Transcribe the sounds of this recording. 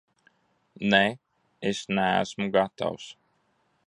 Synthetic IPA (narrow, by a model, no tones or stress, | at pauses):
ne | esnæ̰ːsmuɡat̪a̰ws